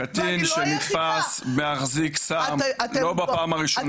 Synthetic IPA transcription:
at̪inʃenitfasmeaχziksamlo̞bapaːmaʁiʃon

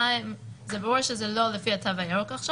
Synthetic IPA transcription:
imzebaʁuʁʃezelo̞lefiatʰavajokaχʃa

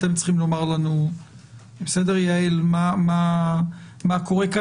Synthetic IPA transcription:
t̪emt͡sχimlomaʁlanu | besed̪eʁjaelmama | makoʁeka

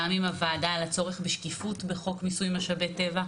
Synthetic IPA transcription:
amimavaːdaːlat͡so̞ʁeχbeʃkifutbe̞χo̞kmisujmaʃabete̞va

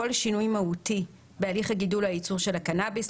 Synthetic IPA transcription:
o̞lʃinujmauti | bealiχhaɡidulhajit͡suʁʃe̞lakanabis

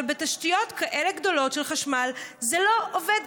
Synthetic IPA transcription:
lbetaʃtijo̞tkaʔele̞ɡdo̞lo̞tʃelχaʃmalzelo̞ʔoved

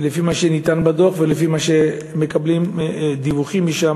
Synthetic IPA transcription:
lefimaʃenit̪anbad̪oχvelefimaʃe | me̞kablimd̪ivuχimːiʃa

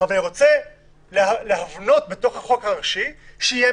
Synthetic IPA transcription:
avalaniʁo̞t͡se | lealeɦavno̞tbe̞to̞χhaχo̞kaʁaʃiʃeije

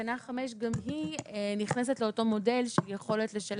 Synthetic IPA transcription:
anaχameʃɡamɦiniχnes̬e̞tle̞oto̞mo̞de̞lʃehijeχo̞le̞tle̞ʃal

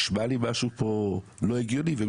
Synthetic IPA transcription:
ʃmalimaʃupʰoloiɡilivem

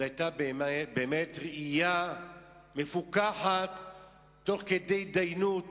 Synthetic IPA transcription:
ajt̪abembeːmetʁeʔija | me̞fukaħatː | o̞χked̪e̞jd̪ajnut

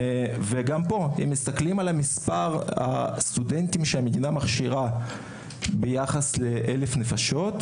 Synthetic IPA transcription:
ve̞ɡampo̞hemːist̪aklimalamispaʁha̰st̪udentimʃeame̞dinamaχʃiʁa | bejaχasle̞ʔelefne̞faʃo̞t

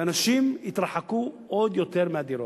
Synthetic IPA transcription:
anaʃimjit̪ɾaħakuʔod̪jo̞t̪eɾmead̪iɾo

